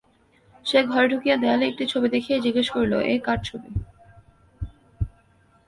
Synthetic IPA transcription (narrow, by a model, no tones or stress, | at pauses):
ʃeɡʱɔɾeɖʱukijad̪ealek̚ʈit͡ɕʰobid̪ekʰied͡ʑiɡeʃkoɾlo̰ʔekaɖ̚t͡ɕʰobi